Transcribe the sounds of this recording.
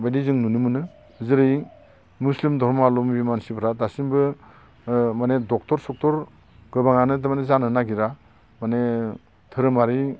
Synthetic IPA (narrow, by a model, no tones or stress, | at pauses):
bajdizɯŋnunɯmɯnɯ | zɯɾɯj | muslimdʱɔɾmalɔmbimansibʰɾadasimbɯ | manedɔk̚tɔɾsɔk̚tɔɾ | ɡɯbaŋanɯdɯmanezanɯnaɡiɾa | mane | tʰɯɾɯmaɾi